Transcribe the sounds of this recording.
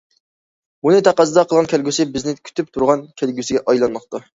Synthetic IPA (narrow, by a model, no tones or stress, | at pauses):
unɨt̪ʰæqɑsɨd̪ɑqʰəlˠʁɑnkʲʰælɡʲysɪbɪznɪkʲʰy̥t̪ʰyp̚t̪ʰuɾʁɑnkʲʰælɡʲysɪɡʲɛʔɑjlˠɑnːəqt̪ɑ